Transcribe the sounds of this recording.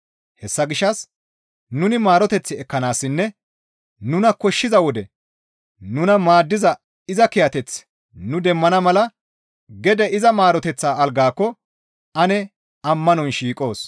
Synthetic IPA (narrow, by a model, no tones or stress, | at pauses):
hɛsːɐɡɪʃːɐs | nʊnɪmaːɾɔt̪ɛt͡sːɪɛkːɐnaːsːɪnːɛ | nʊnɐkɔʃːɪzɐwɔd̪ɛ | nʊnɐmaːd̪ːɪzɐ | ɪzɐkɪjɐt̪ɛt͡s | nʊd̪ɛmːɐnɐmɐlɐ | ɡɛd̪ɛɪzɐmaːɾɔt̪ɛt͡sːaːɐlɡaːkːɔ | ɐnɛ | ɐmːɐnɔnʃiːkʼo̞ːs